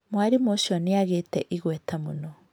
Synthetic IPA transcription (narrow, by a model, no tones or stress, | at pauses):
mwaɾimoʃɔneaɣetɛ̰ʔiɣwɛtamonɔ